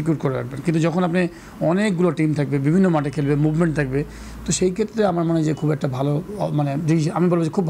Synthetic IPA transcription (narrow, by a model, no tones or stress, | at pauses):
ik̬juɾ̚koɾeɾa̰k̚benkint̪ud͡ʑɔkʰonapne | ɔnekɡuloʈimt̪ʰak̚bebibʱinːomaʈ̬ekʰelbemubmeɳʈ̚t̪ʰak̚be | t̪oʃejkʰet̪ːɾeamaɾmaned͡ʑekʰubɛk̚ʈabʱalomaned̪iamibolbed͡ʑekʰubːʱ